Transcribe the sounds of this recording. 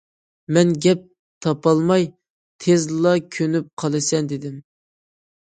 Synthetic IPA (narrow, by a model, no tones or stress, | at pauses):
mɛnɡʲɛp̚ | t̪ʰɑpɑlˠmɑj | t̪ʰezlˠɑkʲʰønyp̚qʰɑlˠɨsɛnd̪ɪd̪ɪm